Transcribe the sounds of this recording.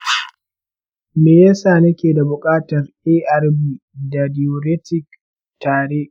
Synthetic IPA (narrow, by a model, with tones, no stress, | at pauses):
meː˨ja˦saː˨nɐ˦kʲeː˨da˨bʊ˨kʼaː˦tɐ˨r | eː˦ʔɐ˦rbiː˦ | da˨dɪ˨o˨ɾe˦tɪ˨k | taː˨ɽe˦ʔ